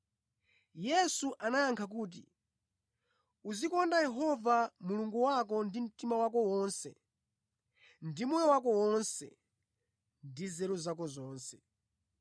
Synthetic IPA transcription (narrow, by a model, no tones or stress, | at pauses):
jɛsuʔanajaŋkʰak̬uːt̬ḭ | uzikɔndajɛɦɔvamuluŋɡuwak̬ɔndim̩timawak̬ɔwɔːnsɛ | ndimuwɛwakɔwɔnsɛ̰ | ndizɛɾuzakɔzɔːnsɛ